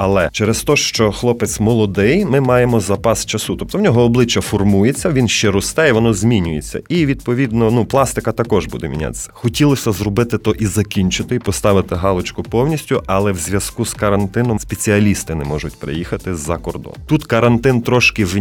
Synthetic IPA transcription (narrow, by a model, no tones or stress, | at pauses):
ɐlˠɛt͡ʃɛɾɛst̪ɔʃt͡ʃɔxlˠɔpɪt̪smɔlˠɔd̪ɪjmɪmɑjemɔzɐpɑst͡ʃɐsut̪ɔp̚t̪ɔwnʲɔɦɔːblˠɪt͡ʃːɐfɔrmujet͡sʲːɐʋʲinʃt͡ʃɛɾʊst̪ɛjɛʋɔnɔzʲmʲinʲʊjet͡sʲːɐ̰iʋʲid̪̚pɔʋʲid̪nɔnuplˠɑst̪ɪkɐt̪ɐkɔʒbṵd̪ɛmʲḭnʲa̰t̪e̥sʲːɐ̥xɔtʲilˠɔsʲɐzrɔbɪt̪ɪt̪ɔʔizɐkʲinʲt͡ʃʊt̪ɪipɔst̪ɑʋɪt̪ɪɦɑlˠɔt͡ʃkʊpɔwnʲisʲtʲʊʔɐlˠɛwzʲʋʲjɐskuskɐɾɐnt̪ɪnɔmspet͡sʲiɐlʲist̪ɪnɛmɔʒʊtʲpɾɪ̰jixɐt̪ɪzɐkɔrd̪ɔ̰nt̪ut̪kɐɾɐnt̪ɪnt̪ɾɔʃkɪ